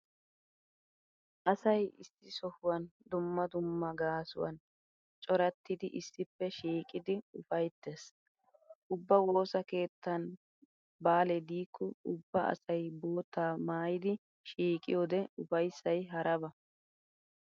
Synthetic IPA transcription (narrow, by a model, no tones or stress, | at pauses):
ʔɐsɐjɪsːɪsɔhʊwɐnd̪ʊmːɐd̪ʊmːɐɡaːsʊ̰wɐ̰n | t͡ʃʼɔɾɐt̪ːɪd̪ɪʔɪsːɪpːɛʃiːkʼɪd̪ɪʊfɐjt̪ːes | ʔʊbːɐwo̞ːsɐke̞ːt̪ːɐn | baːlɛd̪iːkʰːɔʊbːɐɐ̰sɐjbo̞ːt̪ːaːmaːjɪd̪ɪ | ʃiːkʼɪ̰joːd̪ɛʊfɐjsːɐjɦɐɾɐbɐ